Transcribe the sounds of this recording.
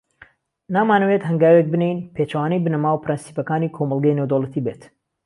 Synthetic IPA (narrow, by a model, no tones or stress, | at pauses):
naːmaːnɐwet̪ɦɐŋɡaːwek̚bɨnejnpʰet͡ʃɐwaːnɐjbɨnɐmaːwpʰɨɾɨnsi̥pɐkaːniːkʰomɐlˠɡɐjnewd̪olˠət̪ʰibeːt̪